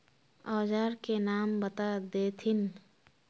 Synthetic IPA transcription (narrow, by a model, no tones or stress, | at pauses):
ɔːd͡ʒaːɾkenaːmbət̪ad̪eːt̪ʰɪn